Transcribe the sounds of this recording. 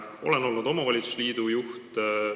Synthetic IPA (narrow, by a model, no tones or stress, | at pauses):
o̞leno̞lnud̪o̞mɑvɑlʲit̪su̥sliːd̪ujuht̪